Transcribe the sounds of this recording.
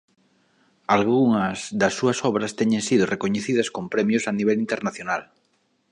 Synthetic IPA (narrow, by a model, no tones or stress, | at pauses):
alɣuŋɐzðɐsːuɐsɔβɾɐst̪ɛɲẽŋsiðorekoɲeθiðɐskompɾɛmjosaniβ̞ɛlint̪eɾnaθjonal